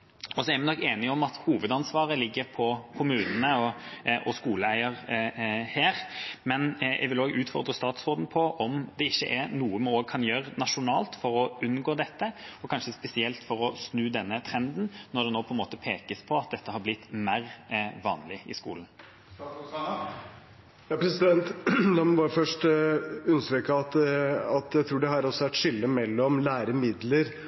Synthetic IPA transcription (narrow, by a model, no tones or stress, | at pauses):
ɔsɔɛɾmɪnɔkːeːnɪɔmɑt̪huːʋəd̪ɑnsʋɑːʁəlɪɡːəɾpʰɔkʰʊmʉːnənəɔʔɔskuːləæɪəʁ | heːʁmɛnɛ̰ɡʋɪloːɡʉːt̪fɔʁd̪ʁəst̪ɑːt̪sʁoːd̪n̩pʰɔʔɔmd̪ɛɪçːə̰ʔɛnuːəmoːɡ̚kʰɑnjøːɾənɑʂʊnɑ̰ːlt̪fɔɾɔʉnːɡoːd̪ɛt̪ːəɔkʰɑnʂəspɛsɪɛlt̪fɔɾɔsnʉːd̪ɛnːət̪ʰɾɛnd̪n̩nɔɾd̪ɛnoːpʰɔɛnmoːt̪əpʰeːkəspʰɔɑt̪̚d̪ɛt̪ʰːəɦɑɾblɪt̪ːmæɾʋɑ̰ːnlɪɪ̰skṵːln | jɑpʰɾɛsɪd̪ɛnt̪d̪ɑmbɑːɾəfœʂʈʉnst̪ɾyːkəɑt̪ɑt̪jæɪt̪ʰɾuːɖɛhɑɾɔsɔʋæʈʂɪlːəmɛlːɔmlæːɾəmɪd̪ləɾ